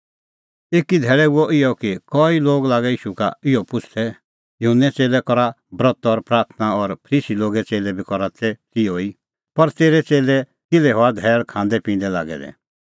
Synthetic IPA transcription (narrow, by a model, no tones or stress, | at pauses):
eːkid̪ʱɛːɭɛuɔʔɪjɔkikɔːiloːɡlaːɡɛiːʃuka̰ɪjɔpʊt͡ʃʰt̪ʰɛ | jʊɦənːɛt͡seːlɛkɔɾa | bɾɔt̪ɔɾpɾaːɾt̪ʰnaɔɾpʰəɾiːsiloːɡɛt͡seːlɛbʱikɔɾat̪ɛt͡sioi | pɐɾt̪eːɾɛt͡seːlɛ | kɪlɛɦɔad̪ʱɛːɭkʰãːnd̪ɛpĩːn̆d̪ɛla̰ːɡɛ̰d̪ɛ̰